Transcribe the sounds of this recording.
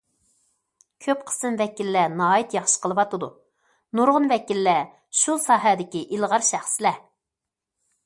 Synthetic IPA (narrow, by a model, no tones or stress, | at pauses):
kʲʰøp̚qʰə̥sɨmvɛkʲilːɛnɑːit̪jɑχʃə̥qʰəlˠɨwɑt̪ɨd̪u | nuɾʁʊnvɛkʲilːɛ | ʃusɑːɦæd̪ɪkʲiʔilˠʁɑɾʃæχsɪlɛ